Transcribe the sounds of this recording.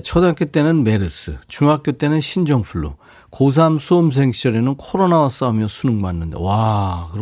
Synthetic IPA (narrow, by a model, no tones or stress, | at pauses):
t͡ɕʰʌdak͈jet͈e̞nɯnme̞ɾɯs͈ʰɯ̰t͡ɕuŋɦak͈jot͈e̞nɯnɕʰind͡ʑʌŋpʰuɭːo̰ | kos̬ʰamsʰoːms̬ʰe̞ŋɕ͈ʌɾe̞nɯnkʰoɾonawas͈aumjʌsʰunɯŋmanːɯndḛwakɯɾ